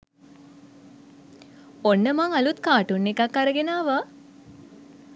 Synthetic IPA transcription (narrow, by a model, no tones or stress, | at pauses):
onːəmaŋalut̪kaːʈunːekakːaɾəɡenaːʋa